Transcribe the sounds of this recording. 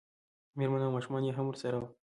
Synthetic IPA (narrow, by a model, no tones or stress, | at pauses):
meɾmɐnaːmɑːʃumɑːnjeɦɐmuɾsɐɾaw